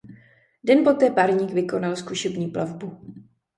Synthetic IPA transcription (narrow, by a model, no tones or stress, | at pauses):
dɛnpot̪ɛːpaɾɲiːkvɪko̞nalskuʃɛbɲiːplʔavbu